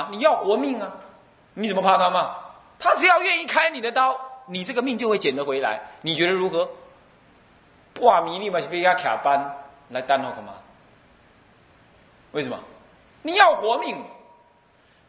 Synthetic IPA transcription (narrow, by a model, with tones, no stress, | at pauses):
ni˨˩jɑ˥˩ʊxwɔ˧˥mi˥˩ŋa˨ | ni˨˧˩t͡sə˨˩mə˧pʰa˥˧nkʰa˥˧ma˨ | t̪ʰa˥ʈ͡ʂ̩˧˦jɑ˥˧ʊɥɛ˥˧ni˥˧kʰa˥ɪni˨˩d̪ə˦t̪ɑ˥˩˦ʊni˨˩ʈ͡ʂɤ˥˩ɡə˩mi˥˧ŋt͡ɕo˥˧ʊxwe˥˩t͡ɕjɛ˨˩nd̪ə˧˦xwe˧˥ɪla̰˧˥ɪni˨˩t͡ɕɥɛ˧˥ɾə˧ɻu˧˥xɤ˧˥ | pa˥˩mi˧˥li˥˩ma˨t͡ɕʰi˥˩pe˥t͡ɕa˥kʰja̰˨˩pa˦n | la˧˥ɪt̪a˥nʰa˥˩ʊkə˧˩ma̰˧ | we˥˩ɪʂə˨˩mɔ̰˨ | ni˨˩jɑ˥˩ʊxwɔ˧˥mi˥˩ŋ